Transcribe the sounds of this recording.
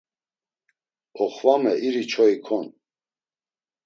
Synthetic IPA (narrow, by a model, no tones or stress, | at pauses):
ɔχvamɛʔiɾit͡ʃʰɔikʰɔn